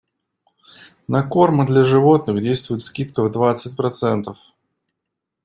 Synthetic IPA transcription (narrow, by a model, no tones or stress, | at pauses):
nɐko̞rmɨd̪lʲaʐɨvo̞t̪nɨxdʲejst̪vʊjɪt̪skʲit̪kəvd̪vat̪sɨt̚ʲpɾɐt̪sɛnt̪əf